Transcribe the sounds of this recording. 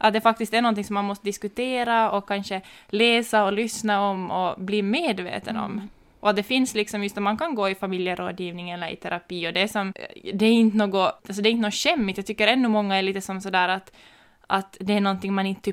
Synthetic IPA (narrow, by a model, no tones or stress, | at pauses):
ʔat̪̚d̪ɛfak̚t̪ɪst̪æɳɔnt̪ɪŋsɔmːanmɔst̪əd̪ɪskʉt̪ʰeːɾaɔkʰːanʂəleːsaɔlʏsnaɔmɔbliːmeːd̪vḛːt̪ənɔ̰mː | ʔɔat̪̚d̪ɛfɪnslɪksɔmjɵst̪æɾmankʰanɡoːɪfamiljəɾo̰ːd̪jiːvnɪŋɛlːəɾɪ̰t̪ʰɛɾʔapiːɔd̪ɛːʂɔmd̪ɛæɾɪnt̪ənoːɡɔalsɔd̪ɛːɪnnoːɕɛmːɪt̪jaɡt̪ʏkːəɾɛnːʉmɔŋːaɛɭiːt̪əsɔmsɔd̪æːɾat̪ | ʔat̪d̪ɛæɳɔnt̪ɪŋmanɪnt̪ə